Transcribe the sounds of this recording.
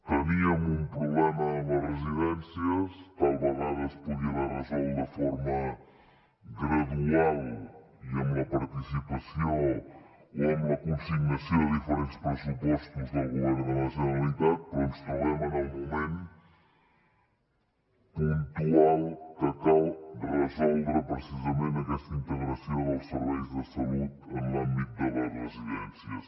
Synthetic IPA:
t̪ɐβiɐŋũmpɾuβlɛmɐðɐreziðẽnsjɐst̪alˠβɐɣaðɐspuðiɐðaɾɐzaumɐfɔɾmɐ | ɣɾɐðualˠ | iɐumɐpɐɾt̪isipɐsjõ | oũmɐkõfiɾmɐsɐ̃w̃ðifɨɾẽnt̪ʃpɾɨsupɔʃt̪uzd̪ɐlˠɣumɐðɾɨlˠɐsjunɐlˠiðaðpoɾũʃp̪ɾuβɛmɐnɐwmumẽnt̪u | põnt̪ualˠt̪ɐk̪ɐ̃ld̪rəzɔlˠvɾɐpɾɨsizɐmẽnt̪d̪ɛʃt̪ɐĩnt̪ɨɣɾɐsɐ̃w̃ɐwʃsɨɾvejuðɐsɐuðɐ̃j̃ɐ̃mbit̪uðɐlaβɾɐziɛ̰̃nsjɐʃ

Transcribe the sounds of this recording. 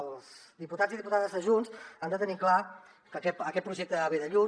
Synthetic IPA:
lˠzd̪iput̪aziðiput̪aðəzðəʒunzand̪ət̪ənikla | kəkɛtəkɛt̪̚pɾuʒɛk̚t̪əaβeðəʎu

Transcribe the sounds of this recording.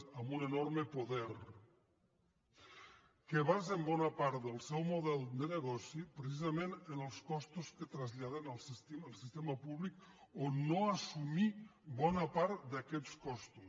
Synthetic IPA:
amunenoɾməpoðɛɾ | keβ̞azembɔnapaɾt̪d̪əlˠsɛwmoðɛlˠd̪əneɣ̞ɔsipɾes̬izamẽnənəlˠskɔst̪uskət̪ɾazʎaðenalˠsist̪iəlˠsist̪emapuβlikonoasumibɔnapaɾt̪d̪akɛt̪skɔst̪u

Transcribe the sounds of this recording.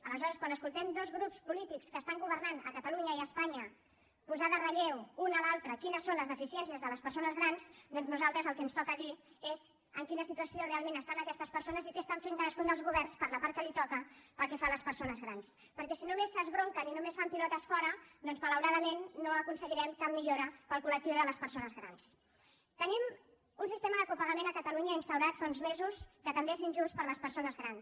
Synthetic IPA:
ələzɔɾəskwanəskulˠt̪ɛmd̪ozɣɾupspulit̪ikskəːst̪aŋɡuβ̞əɾnanə̰kət̪əluɲəiəspaɲə | puzaðərəʎewunəlalˠt̪ɾəkinəsːonləzðəfisiɛnsiəzðələspəɾsonəzɣɾansd̪ɔnznuzalˠt̪ɾəzəlˠkɛnst̪ɔkəðiez | əŋkinəsit̪uəsiorealˠmenəst̪anəkɛst̪əspəɾsonəzikest̪aɱfeŋkaðəskund̪əlˠzɣuβɛrnspəɾləpaɾtkəlit̪ɔkəpəlˠkɛfanləspəɾsonəzɣɾans | pəɾkɛsinumesːəzβɾoŋkəninumesfampilɔt̪əsfɔɾəd̪ɔnzmələwɾaðəmenːoəkunsəɣiɾɛmkammːiʎoɾəpəlˠkulək̚t̪iwðələspəɾsonəzɣɾa̰ns | t̪ənim | unsist̪eməðəkupəɣəmenəkət̪əluɲəinst̪əwɾat̪faunzmezuskət̪əmbeezinʒunspəɾləspəɾsonəzɣɾans

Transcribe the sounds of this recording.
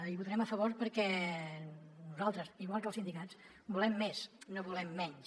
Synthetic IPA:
iβut̪əɾɛməfəβ̞oɾpəɾkɛ | nuzalˠt̪ɾəziɣwalˠkəlˠsind̪ikat͡s | bulɛmːesnoβulɛmːɛɲs

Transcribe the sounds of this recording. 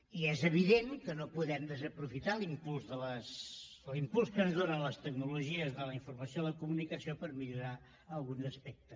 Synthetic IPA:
iɛzəβ̞iðeŋkənopuðɛmd̪əzəpɾufit̪alimpulˠzðələsəlimpulˠskənzðonənləst̪əɡnuluʒiəzðələiɱfuɾməsioləkumunikəsiopəɾmiʎuɾa | əlˠɣunzəspɛk̚t̪əs

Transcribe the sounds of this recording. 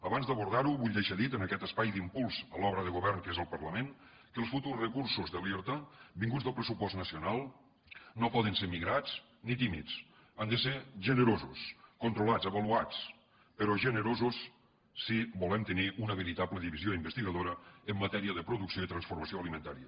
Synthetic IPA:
əβanzd̪əβuɾðaɾuβuʎd̪eʃaðit̪ənəkɛt̪əspajd̪impulˠz̥əlɔβɾəðəɣuβɛrnkezəlˠpərləmen | kəlˠsfut̪urzrəkuɾsuzðəliɾt̪abiŋɡud͡zðəlˠpɾəsupɔst̪nəsiunalˠ | nopɔðənsemiɣɾat͡s | nit̪imḭt͡s | and̪əseʒənəɾozuskunt̪ɾulad͡zəβəluat͡s | pəɾɔʒənəɾozusː | ibulɛmt̪əniʔunəβəɾit̪apləðiβizioimbəst̪iɣəðoɾəəmːət̪ɛɾiəðəpɾuðuksioit̪ɾənsfuɾməsioəlimənt̪aɾiə

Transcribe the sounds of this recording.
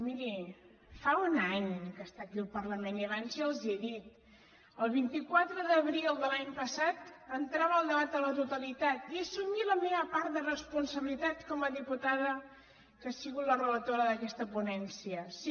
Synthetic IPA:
miɾi | faunaɲkəst̪akilpərləmenjaβanzjəlˠzieðit̪̚ | əlˠβint̪ikwat̪ɾəðəβɾilˠd̪əlaɲpəsat̪ənt̪ɾaβəəlˠd̪əβat̪̚d̪ələt̪ut̪əlit̪at̪iəsumiləmeβəpaɾt̪̚d̪ərəspunsəβilit̪at̪kɔməðiput̪aðə | kasiɣut̪lərələt̪oɾəðəkɛst̪əpunɛnsiəsi

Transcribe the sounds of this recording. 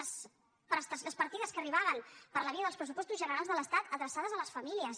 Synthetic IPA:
s | pɾəst̪əsləspəɾt̪iðəskəriβaβənpəɾləβiəð̞əlspɾəsupɔst̪uzʒənəɾalˠzðələst̪at̪əðɾəsað̞əzələsfəmiliəs

